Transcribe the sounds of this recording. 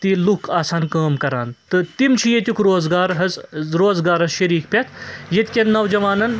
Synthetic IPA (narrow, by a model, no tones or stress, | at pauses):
t̪ilukʰaːsaːnkɐːmkɐɾa̰ːnt̪ɨt̪imt͡ʃʰijet̪ʲukʰɾoːzɡaːɾɦɐzɾoːzɡaːɾɐzʃɐɾiːkpʲɐt̪ʰjet̪kʲennːɐwd͡ʒɐʋaːnɐn